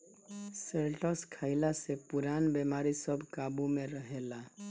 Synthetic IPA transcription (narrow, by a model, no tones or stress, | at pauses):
seɾʈɔskʰaɪlasepuɾanbemaɾisəbʱkabumeɾəɦela